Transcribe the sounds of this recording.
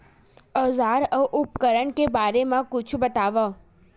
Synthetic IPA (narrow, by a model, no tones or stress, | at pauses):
əzaɾəʔup̚kəɾəɳkebaɾemãkʊt͡ʃʰubət̪aʋə